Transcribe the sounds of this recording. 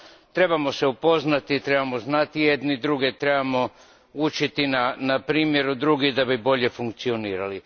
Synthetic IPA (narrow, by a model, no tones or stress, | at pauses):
t̪ɾe̞bamo̞seupo̞znat̪it̪ɾe̞bamo̞znat̪ije̞d̪nid̪ɾuɡet̪ɾe̞bamo̞ | ut͡ʃit̪inanapɾiːmje̞ɾud̪ɾuɡid̪abibo̞ʎe̞fuŋkt̪sio̞niːɾali